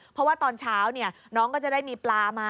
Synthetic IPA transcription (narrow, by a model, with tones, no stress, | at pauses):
pʰɾɔ˦waː˥˩t̪ɔː˧nt͡ɕʰaː˦˥wni˥˩ɐ | nɔː˦˥ŋkɔː˥˩t͡ɕa˨˩daː˥˩jmiː˧plaː˧maː˧˥